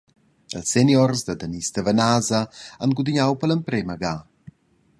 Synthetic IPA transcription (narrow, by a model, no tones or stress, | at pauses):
əlsɛnjɔrzd̪əd̪ənist̪əvənazəanɡud̪iɲawpələmpɾeməɡa